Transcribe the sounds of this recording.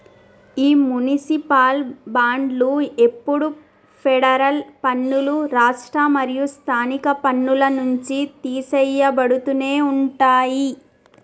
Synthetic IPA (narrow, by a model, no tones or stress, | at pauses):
iːmunisipaːlbaːɳɖlue̞pːuɽu | pʰɛɽɐɾɐlpɐnːuluɾaːʂʈɾɐmɐɾijust̪ʰaːnikɐpɐnːulɐnuɲt͡ʃit̪iːsɛjːɐbɐɽut̪une̞ːuɳʈaːji